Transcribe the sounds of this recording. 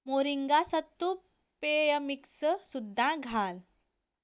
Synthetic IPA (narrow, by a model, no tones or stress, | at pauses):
moɾiŋɡasət̪ːu | pejəmiksəsud̪ʱːãɡʱal